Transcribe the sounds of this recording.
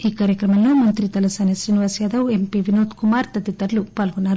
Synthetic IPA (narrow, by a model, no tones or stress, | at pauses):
iːkaːɾjɐkɾɐmɐlloːmɐnt̪ɾit̪ɐlɐsaːnɐsɾiːniʋaːsjaːd̪ɐwempiʋinoːt̪kumaːɾt̪ɐd̪it̪ːɐɾlupaːlɡunːaːɾu